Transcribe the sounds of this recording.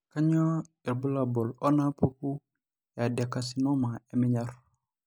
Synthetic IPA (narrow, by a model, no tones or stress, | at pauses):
kaɲɔ | iɾbulabɔlɔnapuku | jadiakasinɔmaemiɲar